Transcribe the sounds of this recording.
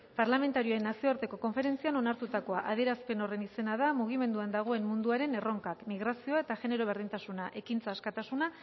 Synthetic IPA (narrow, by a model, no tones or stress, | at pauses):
paɾlame̞nt̪aɾioenasioɾt̪e̞ko̞ko̞ɱfe̞ɾe̞nt͡siano̞naɾt̪ut̪ako̞aʔaðieɾaspe̞no̞re̞nise̞naðamuɣ̞ime̞nd̪uand̪aɣ̞o̞e̞mmund̪uaɾe̞ne̞ro̞ŋkakmiɣ̞ɾasio̞ae̞t̪aʝe̞ne̞ɾo̞β̞e̞ɾðint̪asunaʔe̞kint͡saːskat̪asuna